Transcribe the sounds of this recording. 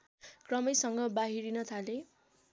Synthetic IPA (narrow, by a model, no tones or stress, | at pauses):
krʌmʌjsʌŋɡʌbaɦiɾinʌt̪ʰale